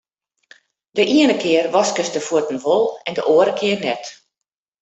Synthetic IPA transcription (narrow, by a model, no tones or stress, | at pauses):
dəʔiənəkʰɪərʋɔskəsdəfuətn̩ʋolˠɛndəʔoəɾəkʰɪərnɛt